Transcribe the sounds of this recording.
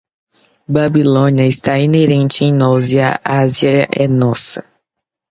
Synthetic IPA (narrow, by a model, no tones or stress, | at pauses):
babilõniɐɪst̪aineɾẽnt͡ʃɪẽj̃nɔziɐʔaziɐɐʔɛnɔsɐ